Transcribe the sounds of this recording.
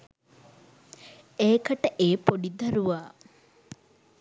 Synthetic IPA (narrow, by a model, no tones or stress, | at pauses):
eːkɐʈəʔeːpoɖid̪ɐɾuʋaː